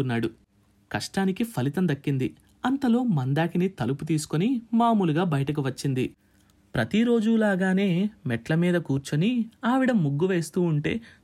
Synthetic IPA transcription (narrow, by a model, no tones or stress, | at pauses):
unːaːɽu | kɐʂʈaːnikipʰɐlit̪ɐnd̪ɐkːind̪i | ɐnt̪ɐlo̞ːmɐnd̪aːkinit̪ɐluput̪̬iːsu̥konimaːmuːluɡaːbɐjɐʈɐk̬uʋɐt͡ʃːind̪i | pɾɐt̪iɾo̞ːd͡ʒulaːɡaːne̞ːmɛʈlɐmiːd̪ɐkuːɾt͡ʃɐniaːʋiɽɐmːuɡːuʋe̞ːst̪uːuɳʈe̞̰ː